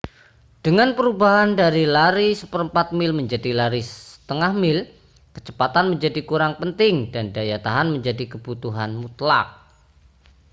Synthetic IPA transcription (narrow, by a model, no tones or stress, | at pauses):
d̥əŋanpəɾubaɦandaɾilaɾisəpəɾəmpat̪̚mɪlməɲd͡ʒadilaɾisəsə̥t̪əŋahmɪl | kə̥t͡ʃəpat̪anməɲd͡ʒadikuɾaŋpənt̪ɪŋdandajat̪aɦanməɲd͡ʒadikəbut̪uɦanmut̪la̰k̚